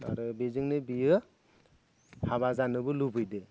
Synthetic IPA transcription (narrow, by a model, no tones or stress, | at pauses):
a̰ɾɯbezɯŋnɯbijɯ | habazanɯbɯlubʱɯjdɯ